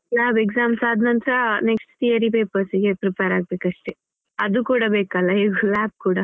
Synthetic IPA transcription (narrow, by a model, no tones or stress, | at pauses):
laːbeɡsaːmsaːd̪ʱnɐnt̪ɾɐneksʈt̪ijɐɾipeːpɐɾsiɡepɾipeɾaːɡ̚beːkɐʂʈe | ɐd̪ukuːɽabeːkalːɐɦeːɡulaːb̚kuːɽa